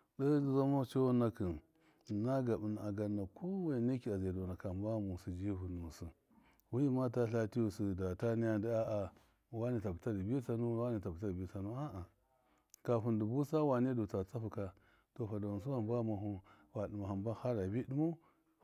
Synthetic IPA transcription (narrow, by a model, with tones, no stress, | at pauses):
da˦za˦mo˦t͡ʃo˦na˦ki˨n | na˦ɡa˨bu˨na˨a˨ɡa˨nːa˨ko˦we˨ne˦ki˨a˨ze˨do˨na˨ka˨m˦ba˦mu˨su˨d͡ʒi˦vu˨nu˨su˨ | wu˦ji˦ma˦ta˦ɬa˦ti˦ju˨si˨da˨ta˦ni˦ja˦di˦a˦ʔa˨ | wa˦ni˨ta˨bu˨ta˦di˨bi˦sa˦nu˦wa˦ni˨ta˨bu˨ta˦di˨bi˦sa˨nu˦a˦ʔa˨ | ka˨fu˨ndu˨bu˦sa˦wa˨ne˦do˨t͡sa˨t͡sa˦ɸu˨ka˦ | to˨ɸa˨do˨s̬u˦wa˨mba˦ma˨ɦu˦ | wa˨di˨ma˨ha˨mba˦ha˦ɾa˨bi˦di˦mo˦